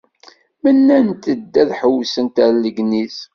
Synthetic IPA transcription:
mənːænt̪əd̪ːæðħəwsənt̪æɾləɡnis

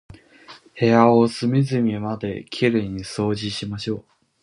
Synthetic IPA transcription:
he̞aosɨmʲizɨmʲimad̪e̞kʲʰeɾeɲ̟iso̞ːʑiɕimaɕo̞ː

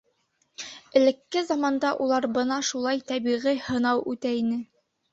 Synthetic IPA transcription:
ɘ̆lɘ̆kːɘzɑmɑnd̪ɑʔulˠɑɾbɤnɑʃulˠɑjt̪æβiʁijhɤ̆nɑwʉt̪æinɘ

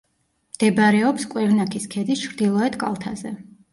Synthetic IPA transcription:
md̪̥ɛbɾɛɔpskʼwɛɾnakʰiskʰɛd̪ist͡ʃʰɾd̪ilˠɔɛt̪ʰkʼa̰lˠt̪ʰa̰zɛ

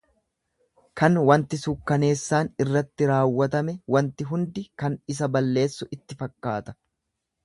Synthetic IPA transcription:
kɐnwɐnt̪ɪsukːɐne̞ːsːaːnɪrːɐt̪ːɪɾaːwːɐt̪ɐmɛwɐnt̪ɪɦʊnd̪ɪkɐnɪs̬ɐbɐlːe̞ːsːʊʔɪt̪ːɪfɐkːaːt̪ɐ̥

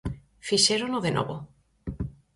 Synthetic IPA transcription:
fiʃeɾonoðenʔo̰βo

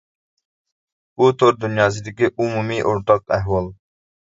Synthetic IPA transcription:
but̪ʰoɾd̪unjɑːs̬ɪd̪ɪkʲiʔumumiʔoɾt̪ɑqæɦwɑlˠ

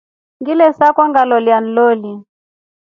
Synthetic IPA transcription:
ŋɡilɛsakɔŋɡalɔljan̩lɔli

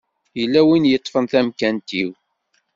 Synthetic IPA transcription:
jəlːæwinjət̪ˤːfənθæmkænt̪iw

